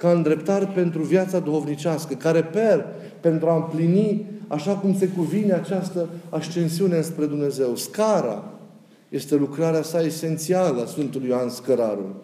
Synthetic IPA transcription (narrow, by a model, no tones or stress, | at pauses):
kaɨnd̪ɾe̞pt̪aɾepe̞nt̪ɾuvjat̪sad̪uxo̞vnit͡ʃaskəkaɾe̞pe̞r | pe̞nt̪ɾuaɨmpliniaʃakumse̞kuvineat͡ʃast̪əakst͡ʃe̞nsiune̞ɨnspɾe̞d̪umne̞ze̞wskaɾa̰ | je̞st̪e̞lukɾaɾeasaese̞nt̪sialəasfɨnt̪ulujoanskəɾaɾṵ